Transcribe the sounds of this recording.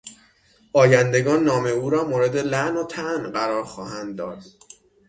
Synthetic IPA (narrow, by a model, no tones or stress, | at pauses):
ʔɒːjænd̪e̞ɡɒːnːɒːme̞uːɾɒːmoːɾe̞d̪e̞læʔnot̪ʰæʔnɢæɾɒːɾxɒːɦænd̪ːɒːd̪̥